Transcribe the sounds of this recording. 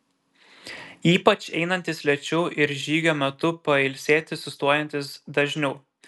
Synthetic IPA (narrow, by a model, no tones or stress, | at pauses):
iːpɐt͡ʃɛ̰ɪnɐnʲt̪ʲɪslʲɛt͡ʃʲʊʔɪɾʒʲiːɡʲoːmʲɛt̪ʊpɐɪlʲsʲeːt̪ʲɪsʊst̪uɔjɛnʲt̪ʲɪsd̪ɐʒʲnʲɛʊ